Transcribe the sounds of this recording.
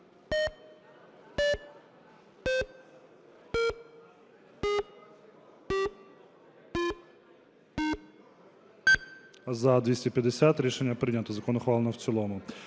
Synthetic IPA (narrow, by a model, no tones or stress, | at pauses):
zɐd̪ʋʲisʲtʲɛpʲjɐd̪esʲat̪ɾʲiʃenʲːɐpɾɪd̪ʲnʲɐt̪ɔzɐkɔnɔxʋalˠenɔwt͡sʲilˠɔmʊ